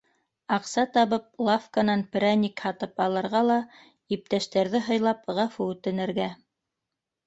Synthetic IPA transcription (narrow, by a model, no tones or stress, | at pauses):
ɑqsɑt̪ɑβɤp̚lˠafkanɑnpʲɾʲænʲikhɑt̪ɤpɑlˠɤ̆ɾʁɑlˠɑ | ip̚t̪æʃt̪æɾðɘɦɤ̆jlˠɑpʁɑfuʉt̪ɘ̆nɘ̆ɾɡæ